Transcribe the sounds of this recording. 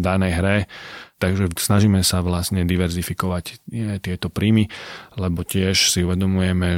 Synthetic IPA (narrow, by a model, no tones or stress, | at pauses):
d̪anɛjɦɾɛt̪aɡʒɛsnaʒiːmɛsaʋlasɲɛd̪iʋɛɾzifikɔʋacɛt̪ɪɛt̪ɔpɾiːmilɛbɔcɪɛʃsiuʋɛd̪ɔmujɛmɛ